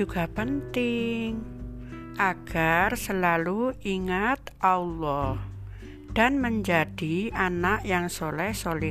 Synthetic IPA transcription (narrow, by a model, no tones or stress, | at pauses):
uɡ̥apənt̪ɪŋ | ʔaɡ̥arsəlaluʔiŋat̪ʔaulɔh | d̥anməɲd͡ʒad̥ianaʔjaŋsolɛhsolɪ